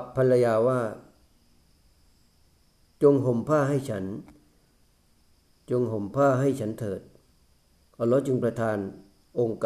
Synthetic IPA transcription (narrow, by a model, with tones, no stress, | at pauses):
pʰːa˧nla˧jaː˧waː˥˩ | t͡ɕo˧ŋɦo˨˩˦mpʰaː˥˩ɦa˥˩jt͡ɕʰa˦˥n | t͡ɕo˧ŋɦo˨˩˦mpʰaː˥˩ɦa˥˩jt͡ɕʰa˦˥nt̪ʰɤː˨˩t̪̚ | ʔɔː˧˩lɔː˦˥t͡ɕɯ˧ŋpɾa˧t̪ʰaː˧n | ʔo˧ŋkː